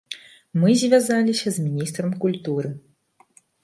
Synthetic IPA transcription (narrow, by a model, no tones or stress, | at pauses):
mɨzʲvʲazalʲisʲɐzmʲinʲist̪ɾɐmkulʲt̪uɾɨ